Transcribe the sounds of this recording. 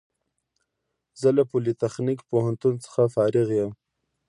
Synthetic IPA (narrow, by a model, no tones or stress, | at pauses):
zəlapolit̪axnikpohant̪unt͡sə̥xafɑɾɪɣjem